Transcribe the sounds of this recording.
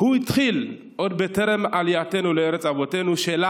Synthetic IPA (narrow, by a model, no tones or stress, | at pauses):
huit̪χil | ʔo̞d̪be̞t̪e̞ɾe̞maljat̪e̞nuleeɾet͡savo̞t̪enuʃela